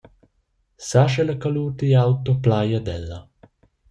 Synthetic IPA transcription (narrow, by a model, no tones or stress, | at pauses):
saʃɛlakaluːt̪ijawt̪ɔplaːjad̪ɛlːa